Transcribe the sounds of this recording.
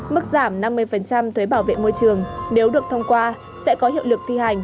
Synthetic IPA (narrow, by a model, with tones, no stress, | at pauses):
mɨ˦˥k̚zaː˧˩mna˧mːɨ˧əjfə˨˩nt͡ɕa˧mt̪ʰwe˨˦ɓaː˧˩wvḛ˧˨mo˧jt͡ɕɨ˨˩əŋne˨˦wɗɨ˨˩ək̚t̪ʰə˧wŋ͡mkwaː˧ | sɛ̰˧˥kɔ˨˦hḭ˧˨əwlɨ˨˩k̚t̪ʰi˧ha˨˩jŋ̟